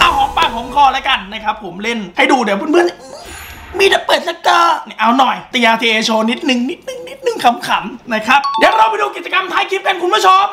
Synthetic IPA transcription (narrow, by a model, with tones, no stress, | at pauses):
kʰaː˧˩wkʰɔː˨˦ŋpaː˧˩kʰɔː˩˦ŋkʰɔː˧˩lɛ˦˥ka˧nːa˦˥kʰa˦˥pʰːo˩˦mle˥˩nha˥˩jduː˧˩di˨˦wku˧˩nmɯ˧ən˧ʔɯː˧˩miː˧t̪ɛ˨˩pɤː˨˩t̪̚sa˦˥k̚t̪ɤː˧˩ni˧˩ʔa˧wnɔ˨˩jt̪a˧jaː˧t̪ʰiː˧ʔeː˧t͡ɕʰoː˧ni˦˥t̪̚nɯ˨˧ŋni˦˥t̪̚nɯ˨˩ŋni˦˥t̪̚nɯ˨˩ŋkʰa˧˩mkʰa˨˩˦mna˦˥˩kʰɾa˦˥p̚dɛː˨˦wɾa˧wpa˧jduː˧ki˨˩t̪̚t͡ɕa˧ka˧mt̪ʰaː˦˥jkʰi˦˥p̚ka˧nkʰu˧nmʰpuː˦˥˩t͡ɕʰo˧m